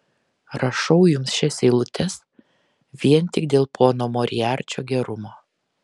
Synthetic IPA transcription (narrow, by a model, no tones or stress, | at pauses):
ɾɐʃɐʊjʊmsʃʲɛsʲeːlˠʊt̪ʲɛs | ʋʲiɛnt̪ʲɪɡd̪ʲeːlˠpʰoːnoːmɔɾʲɪjæːɾʲt͡ʃʲo̰ːɡʲɛɾʊmoː